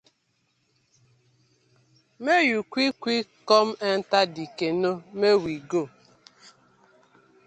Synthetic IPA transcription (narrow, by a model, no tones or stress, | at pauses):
mejukʷikʷikɔm̩ɛn̩tadikenomewiɡo